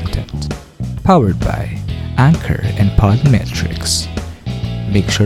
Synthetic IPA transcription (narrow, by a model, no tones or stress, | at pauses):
ktʰɨ̃nt | pʰawə˞d̚ba̰ɪʔæ̃ŋkʰə̰˞ɛ̃npʰɑləmɛ̰tʰɹ̥ɪ̰ks | vɪk̚t͡ʃə